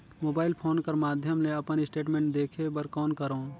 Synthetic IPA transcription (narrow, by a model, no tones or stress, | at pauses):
moːbaːɪlpʰoːnkɐɾmaːd̪ʱjəmleɐpənɪsʈeːʈmẽːɳʈ̚d̪eːkʰebəɾkɔːnkɐɾõː